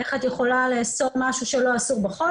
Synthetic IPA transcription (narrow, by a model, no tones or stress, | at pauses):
eχat̪jeχo̞laleaso̞ʁmaʃuʃe̞lo̞asuʁbeχo